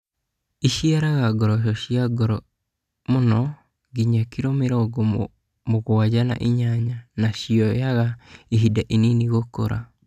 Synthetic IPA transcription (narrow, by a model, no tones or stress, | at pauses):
iʃiaɾaɣaɡɔɾɔʃ̬ɔʃiaɡɔɾɔ | monɔ | ɡiɲakiɾomeɾɔɡo | moɣowad͡ʒana̰ʔiɲaɲanaʃiɔjaɣaiɦidaʔininiɣoko̰ɾa̰